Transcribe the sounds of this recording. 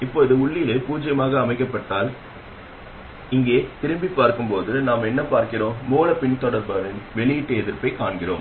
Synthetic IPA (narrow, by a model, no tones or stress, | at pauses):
ɪpːoːɪðɐʊɭːɪjɪleːpuːd͡ʒɐjɐmaːɣɐːmɐɪkːɐpːɐʈːaːl | ɪŋɡeːt̪ɪɾɯmbipːaːɾkɯmpoːðɯnaːmɛnːɐpaːɾkɪɾõːmuːlɐpɪɳt̪ɔɽɐɾbɐʋɪnʋɛɭɪjɪʈːɯɛðɪɾpɐɪkaːɳɡɪɾo̰ːm